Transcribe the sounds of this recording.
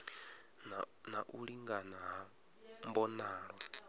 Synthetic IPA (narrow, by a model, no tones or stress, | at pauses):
naʔuɺiŋɡanaɦa | mbɔnaːla